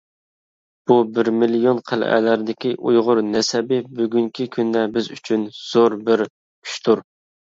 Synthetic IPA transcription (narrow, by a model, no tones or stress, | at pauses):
b̥ubɪɾmilijonqʰælʔɛ̰læɾd̪ɪkʲiʔujʁʊɾnɛsɛbɪbyɡʲyŋkʲʰikʲʰynd̪ɛbɪzyt͡ʃʰynz̥oɾbɪɾ | kʰy̥ʃt̪ʰuɾ